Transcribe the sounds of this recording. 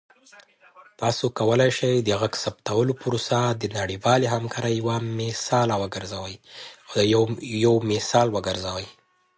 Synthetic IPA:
t̪ɑsokawəlajʃajd̪əɣaɡsapt̪awəlopəɾosad̪ənaɽiwɑleɦamkʰɑɾajːawamɪsɑlawəɡəɾzawəj | jawmɪsɑlwəɡəɾzawəj

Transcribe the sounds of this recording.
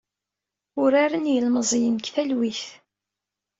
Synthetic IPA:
ʊɾaɾənjəlməzˤjənkθælwiθ

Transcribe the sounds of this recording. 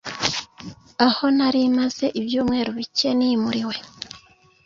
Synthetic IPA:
aho̞naɾimaz̥e̞ʔiβjuːmŋe̞ːɾuβice̞nimuɾiwe̞

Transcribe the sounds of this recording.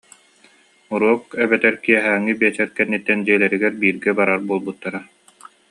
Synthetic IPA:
uɾuɔkɛbɛt̪ɛɾkiɛɦæːŋːibiɛt͡ɕɛɾkɛnːit̪ːɛnd͡ʑiɛlɛɾiɡɛɾbiːɾɡɛbaɾaɾbuɔlˠbut̪ːaɾa

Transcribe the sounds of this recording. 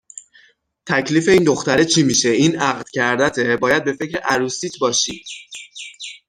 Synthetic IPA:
t̪ʰæcʰliːfe̞iːnd̪o̞xt̪æɾet͡ʃʰimiːʃe̞iːnæɣd̪̥cʰæɾd̪æt̪ʰebɒːjæd̪̚be̞fe̞cʰɾeʔæɾuːsiːt̪ʰbɒːʃiːd̪̥

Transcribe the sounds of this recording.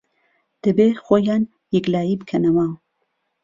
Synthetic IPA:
d̪̥ɐbeːxoːjaːn | jɛklaːjibɨkʰɐnɐwa

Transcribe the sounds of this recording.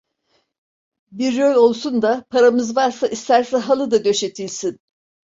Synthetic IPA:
biɾːølʲo̞lˠsund̪apʰaɾamɯzvaɾsaʔist̪ʰæɾsɛɦalˠɯd̪ad̪ø̞ʃe̞t̪ʰilʲsin

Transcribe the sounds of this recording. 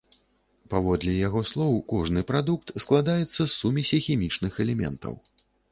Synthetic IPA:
pavɔd̪lʲijaɣɔslˠɔwkɔʐnɨpɾad̪uk̚t̪sklˠad̪ajɛt̪sːɐsːumʲisʲɛxʲimʲit͡ʂnɨxɛlʲɛmʲɛ̰nt̪ɐ̰w

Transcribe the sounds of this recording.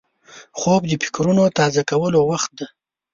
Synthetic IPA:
xob̚d̪əpɪ̥kɾunot̪ɑzakawəlowaxt̪̚d̪a

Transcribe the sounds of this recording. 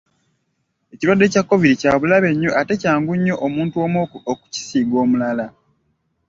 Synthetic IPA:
e̞ciɾwadːe̞cakːo̞viɾicaːβulaβe̞ɲːoʔate̞caːŋɡuɲːo̞ʔomuːntuomoku̥ci̥siːɡo̞ːmulala

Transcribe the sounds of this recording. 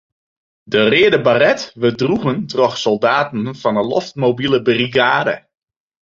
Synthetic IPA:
dərɪədəbarɛtʋədruɣəntrɔxsɔlˠdaːtən̩fɔnəlɔ̰ft̚mowbilˠəbəriɡaːdə̰

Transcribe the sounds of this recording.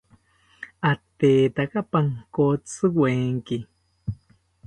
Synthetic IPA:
at̪eːt̪akapaŋkot͡sɨɡweːŋki

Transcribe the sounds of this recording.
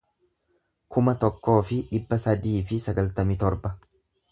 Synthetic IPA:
kʰʊmɐt̪ɔkːo̞ːfɪᶑɪbːɐsɐd̪iːfɪsɐɡɐlt̪ɐmɪt̪ɔɾbɐ

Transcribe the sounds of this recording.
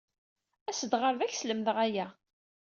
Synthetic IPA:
æsəd̪ʁəɾðæçsləmðəʁæjæ

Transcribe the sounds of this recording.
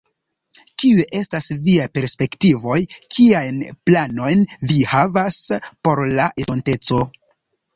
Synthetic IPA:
kiuʔe̞stasviajpe̞ɾspe̞ktivo̞jkʰiajnplano̞jnvihavaspo̞ɾlaʔeonte̞t͡so̞

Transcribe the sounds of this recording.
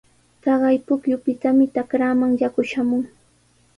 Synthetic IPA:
t̪ɑɢɑjpʊkjʊpɪt̪amɪt̪akɾaːmaŋjakʊʃamʊŋ

